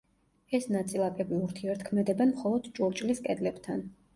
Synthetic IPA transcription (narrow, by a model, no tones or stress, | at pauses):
ɛsnat̪sʼilˠakʼɛbiuɾt̪ʰiɛɾt̪kʰmɛd̪ɛbɛnmχɔlˠɔd̪d͡ʒuɾt͡ʃʼliskʼɛd̪lɛbt̪ʰan